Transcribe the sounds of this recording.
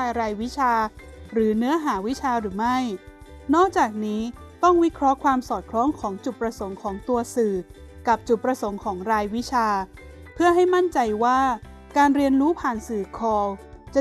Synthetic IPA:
a˧ɾaː˧jwi˦˥t͡ɕʰaː˧ | ɾɯː˩˦nɯ˦˥ɐɦaː˩˦wi˦˥t͡ɕʰaː˧ɾɯː˩˦ma˥˩j | nɔː˥˩k̚t͡ɕaː˨˩k̚niː˦˥ | t̪ɔ˥˩ŋwi˦˥kʰɾɔ˦˥kʰwaː˧msɔː˨˩t̪̚kʰlɔː˦˥ŋkʰɔː˩˦ŋt͡ɕu˨˩t̪̚pɾa˧so˩˦ŋkʰɔː˩˦ŋt̪u˧ɐsɯː˨˩ | ka˨˩p̚t͡ɕu˨˩t̪̚pɾa˧so˩˦ŋkʰɔː˩˦ŋɾaː˧jwi˦˥t͡ɕʰaː˧ | pʰɯ˥˩ɐɦa˥˩jma˥˩nt͡ɕa˧jwaː˥˩ | kaː˧nɾi˧ənɾuː˦˥pʰaː˨˩nsɯː˨˩kʰɔː˧w | t͡ɕa˨˩

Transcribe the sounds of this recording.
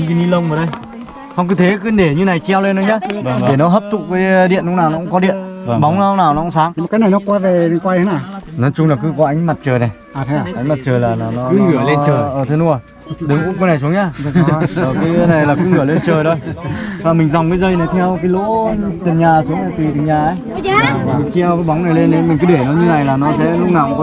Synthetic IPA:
ŋki˨˦ɲi˧˦lə˧wŋ͡mə˧˩ɗə˧j | hɔ˧wkɨ˨˦t̪ʰe˨˦kɨ˧˨˦ɗe˧˩ɲɨ˧na˨˩jt͡ɕɛ˧wle˧nːo˨˦ɲaː˧˦˨ke˧˩nɔ˨˦ɦəː˦˥p̚t̪ʰʊ̰˧˨˩k͡p̚kaː˨˦jɗḭ˧˨ənlʊ˧˥ŋ͡mnaː˨˩wnɔ˨˦kʊ˧˥ŋ͡mkɔ˨˦ḭ˧˨ən˧˨ɓɔ˨˦wŋ͡mna˧wnaː˨˩wnɔ˨˦kʊ̰˧˥ŋ͡msaː˨˦ŋ̚˨˩kaː˨˦na˨˩jnɔ˨˦kwaː˧ve˨˩˨kwaː˧je˨˦na˧˩nɔ˨˦t͡ɕʊ˧ŋ͡mlaː˨˩k̬ɨ˨˦kɔ˨˦ʔa˨˦jŋ̟ma˨˩t̚t͡ɕəː˨˩jna˨˩j | aː˨˩t̪ʰːʔa˨˦ŋ̟ma˨˩t̚t͡ɕəː˨˩jlaː˨˩naː˨˩nɔ˨˦kɨ˧˩əle˧əː˨˩jʔəː˨˩t̪ʰe˨˦nu˧˦ə˨˩j | ɗɨ˨˦ŋku˧˥ko˧˦na˨˩jsu˨˦əŋɲaː˧əː˨˩ka˨˦jna˨˩jlaː˨˩kɨ˨˦ŋɨ˧˩əle˧nt͡ɕəː˨˩jto˧jvaː˨˩mï˨˩ŋ̟zɔ˨˩wŋ͡mkaː˨˦jzə˧jna˨˩jt̪ʰɛ˧wkaː˨˦jlo̰˧˥a˨˧˦ŋt̪ə˨˩nɲaː˨˩su˨˦əŋ˧t̪i˨˩t̪i˨˩ɲaː˨˩ʔə˨˦j | t͡ɕi˧ə˧wkaː˨˦jɓa˨˦wŋ͡mna˨˩jle˧nːe˧nmï˨˩ŋ̟kɨ˨˦ɗe˧˩nɔ˨˦ɲɨ˧na˨˩jlaː˨˩nɔ˨˦sɛ̰˧˥lʊ˦˥k͡p̚naː˨˩w

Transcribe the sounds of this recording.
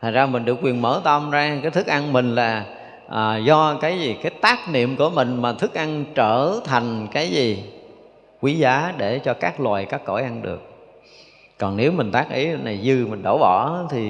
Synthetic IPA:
t̪ʰa˨˩n̟zaː˧mï˨˩ŋ̟ɗɨ˨˩əkwi˨˩ənməː˧˩˦t̪ə˧˩mzaː˧kaː˨˦jt̪ʰɨ˦˥k̚ʔa˧nmï˨˩ŋ̟laː˨˩ | ʔːzɔ˧kaː˨˦jzi˨˩kaː˨˦jt̪aː˦˥k̚nḭ˧˨əmku˧˩əmï˨˩ŋ̟maː˨˩t̪ʰɨ˦˥k̚ʔa˧nt͡ɕəː˧˩t̪ʰa˨˩jŋ̟kaː˨˦jzi˨˩ | kwi˨˦zaː˨˦ɗe˧˩t͡ɕɔ˧kaː˦˥k̚lwa̰ː˨˩jkaː˦˥kːo˧˩jʔa˧nɗɨ˨˩ək̚ | kɔ˨˩nne˨˦wmï˨˩ŋ̟t̪aː˦˥k̚ʔḭ˨˦na˨˩jzɨ˧mï˨˩ŋ̟ɗo˧˩wɓɔ˧˩˨t̪ʰi˨˩

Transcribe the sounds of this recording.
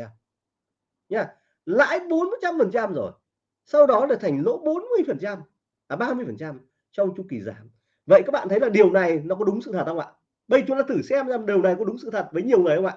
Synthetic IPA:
ɲaː˧˩ | la̰ː˧˥jɓo˨˦nm̚˨˩t͡ɕa˧mfə˨˩nt͡ɕa˧mzo˨˩j | sa˧wɗɔ˨˦laː˧˨˩t̪ʰa˨˩jŋ̟lo̰˧˥ɓo˨˦nmɨ˧əjfə˨˩nt͡ɕa˧mː˨˩ | ɓaː˧mɨ˧əjfə˨˩nt͡ɕa˧m | t͡ɕɔ˧wŋ͡mt͡ɕʊ˧ŋ͡mki˨˩zaː˨˦m | və̰˧˨jkaː˦˥k̚ɓa̰ː˧˨t̪ʰə˨˦jlaː˨˩ɗi˨˩əwna˨˩jnɔ˨˦kɔ˨˦ɗʊ˨˦ŋ͡msɨ̰˧t̪ʰə˨˩t̚hə˧wŋ͡mʔa̰ː˧˨ | ɓə˧˩jt͡ɕʊ˨˦laː˧˩t̪ɨ˧˩sɛ˧mzaː˧mɗi˨˩əwna˨˩jkɔ˨˦ɗʊ˨˦ŋ͡msɨ̰˧˨t̪ʰə˨˩t̚vəː˨˦jɲi˨əwŋɨ˨˩əjhə˧wŋ͡ma̰ː˧˨

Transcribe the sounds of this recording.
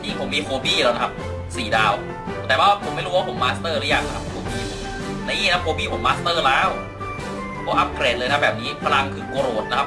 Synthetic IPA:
niː˥˩kʰo˧˩˦miː˧˩kʰoː˧biː˥˩lɛː˧˩na˧kʰa˧˥p̚ | siː˨˩˦daː˧w | t̪ɛː˨˩waː˥˩wa˥˩pʰo˩˦ma˥˩jɾu˦˥wa˥pʰo˩˦maː˧˥st̪ɤː˥˩ɾa˦˥jaː˧˥˩ko˧˩kʰa˦˥˧kʰoː˧biː˥˩ | na˧˥ʔiː˥˩˨na˦˥kʰoː˧biː˥˩pʰo˩˦mːaː˦˥st̪ɤː˥˩laː˦˧˥w | kʰo˧˩˦ʔa˦˥p̚kʰɾeː˨˩t̪̚lɤː˧˦˥bɛː˨˩p̚niː˦˥pʰa˧la˧˥˩ŋkʰɯː˧˩koː˧ɾoː˨˩t̪̚na˦˥kʰa˦˥p̚

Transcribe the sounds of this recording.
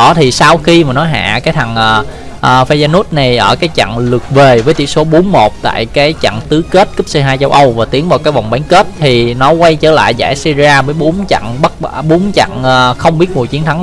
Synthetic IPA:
ɔ˧˩˦t̪ʰi˨˩sa˧wxi˧maː˨˩nɔ˨˦jɦa̰ː˧˨kaː˨˦jt̪ʰa˨˩ŋʔəː˨˩ | ʔəː˨˩fe˧zaː˧no˦˥t̚na˨˩jʔəː˧˩kaː˨˦jt͡ɕa̰˧˨ŋlɨ˨˩ək̚ve˨˩vəː˨˦jt̪ḭ˧˩so˨˦ɓo˨˦nmo˨˩t̚t̪a̰ː˧˨jkaː˨˦jt͡ɕa̰˧˨ŋt̪ɨ˨˦ke˦˥t̚kɨ˦˥p̚se˧ɦaː˧jt͡ɕə˧wʔə˧wvaː˨˩t̪i˨˦ənvaː˨˩wkaː˨˦jva˨˩wŋ͡mɓaː˨˦nke˦˥t̚t̪ʰi˨˩nɔ˨˦kwa˧jt͡ɕəː˧˩la̰ː˧˨jza̰ː˧˩jsi˧zi˧aː˧vəː˨˦jɓo˨˦nt͡ɕa̰˧˨ŋɓə˦˥t̚ːɓo˨˦nt͡ɕa̰˧˨ŋəː˨˩xə˧wŋ͡mɓi˦˥ət̚mu˨˩əjt͡ɕi˨˦ənt̪ʰa˨˦ŋ

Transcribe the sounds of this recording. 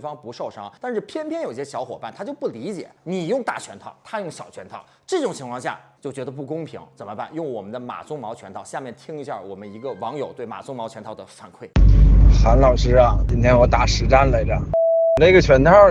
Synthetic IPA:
fɑ˥ŋpu˧˥ʂo˥˩ʊʂɑ˥ŋt̪a˥˧nʂɻ̩˥˩pʰjɛ˥npʰjɛ˥njo˨˩ʊi˧˥ɕjɛ˥ɕjɑ˧˥ʊxwɔ˨˩pa˥˩nt̪ʰa˥t͡ɕjo˥˧ʊpu˥˩li˧˥t͡ɕjɛ̰˨˩˦ni˨˩jʊ˥˧ŋt̪a̰˥˩t͡ɕʰɥɛ˧˥nt̪ʰɑ˥˩ʊt̪ʰa˥jʊ˥˩ŋɕjɑ˨˩ʊt͡ɕʰɥɛ˧˥nt̪ʰɑ˥˩ʊʈ͡ʂɤ˥˩ʈ͡ʂʊ˨˩ŋt͡ɕʰi˧˥ŋkʰwɑ˥˧ŋɕja̰˥˩t͡ɕjo˥˩ʊt͡ɕɥɛ˧˥d̪ə˧p̬u˥˩kʊ˥ŋpʰi˧˥ŋt͡sə˨˩nmə˦pa̰˥˩njʊ˥˩ŋwɔ˨˩mə˦nd̪ə˧ma̰˨˩t͡sʰʊ˥ŋmɑ˧˥ʊt͡ɕʰɥɛ˧˥nt̪ʰɑ˥˧ʊɕja˥˧mjɛ˥˩nt̪ʰi˥ŋi˧˥ɕja̰˥˩wɔ˨˩mə˦ni˧˥ɡə˧wɑ˧˥ŋjo˨˩ʊt̪we˥˩ɪma̰˨˩t͡sʊ˥ŋmɑ˧˥ʊt͡ɕʰɛ˧˥t̪ʰɑ˥˩ʊd̪ə˩fa˨˥˩nkʰwe˥˩ɪxa˧˥nlɑ˨˩ʊʂɻ̩˥a˨˩t͡ɕi˥nt̪ʰjɛ˥nwɔ˧˥t̪a˧˥˩ʂɻ̩˧˥ʈ͡ʂa˥nla˧˥ɪla̰˨˩ŋ˨na˥˩˥ɡə˩t͡ɕʰɥɛ˧˥nt̪ʰɑ˥˩

